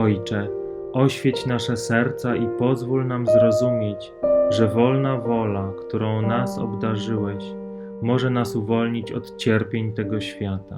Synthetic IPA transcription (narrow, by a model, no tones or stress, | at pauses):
ɔjt͡ʂɛ | ɔɕfʲjet͡ɕnaʂɛsɛɾt̪saʔipɔzvulnamzɾɔzumʲjet͡ɕ | ʐɛvɔlnavɔlakt̪uɾɔ̃w̃nasɔ̰bd̪aʐɘwɛɕ | mɔʐɛnasuvɔlɲit͡ɕɔ̰t̪t͡ɕɛɾpʲjeɲt̪ɛɡɔɕfʲjat̪a